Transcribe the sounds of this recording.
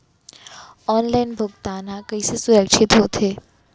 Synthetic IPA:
ɔːnlaːɪnbʱʊɡt̪aːnakɐisesʊɾəkʃʰɪt̪ɦoːt̪ɦeː

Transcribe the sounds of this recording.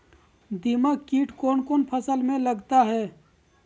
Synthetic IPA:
d̪imakiːʈkoːnkoːnpʰəsəlmẽləɡt̪aɦɛː

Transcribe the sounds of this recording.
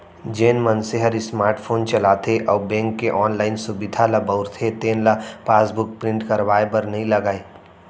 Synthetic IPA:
d͡ʒeːnmənseɦəɾismaːɾʈpʰoːnt͡ʃəlaːt̪ʰeʔɔːbẽːŋkːeʔɔːnlaːɪnsubid̪ʱalabəʊɾt̪ʰet̪eːnlapaːsbʊk̚pɾɪ̃ɳʈkəɾʋaːebəɾnəɦĩləɡaːe

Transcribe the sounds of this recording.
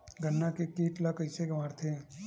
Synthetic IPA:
ɡənːakekiːʈlakəɪseɡɐmaːɾt̪ʰe

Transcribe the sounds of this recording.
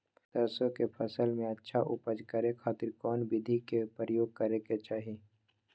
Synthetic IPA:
t̪əɾsõkepʰəsəlmẽətːʃʰaʔʊpəd͡ʒkəɾekʰaːt̪ɪɾkɔːnbɪd̪ʱikepɾəjoːɡ̚kəɾeket͡ʃaːɦi

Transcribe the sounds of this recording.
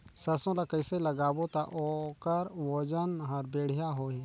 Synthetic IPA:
sɐsõlakəɪseləɡaːbot̪aʔokəɾwod͡ʒənɦəɾbeːɽ̤ijaɦoɦɛ̃

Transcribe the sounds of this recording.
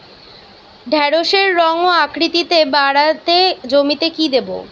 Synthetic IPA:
ɖʱɛɾoʃeɾːɔŋoakɾit̪it̪ebaɽat̪ed͡ʑomit̪ekid̪ebo̰

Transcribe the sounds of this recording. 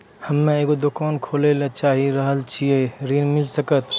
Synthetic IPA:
həmːẽeːɡod̪okaːnkʰoːlelet͡ʃaːɦiɾəɦəlt͡ʃʰieɾinmɪlsəkət̪

